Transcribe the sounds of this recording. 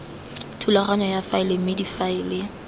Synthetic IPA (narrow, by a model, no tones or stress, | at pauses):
tʰulaχaɲɔjafaɪlɪmɪdifaɪːlɪ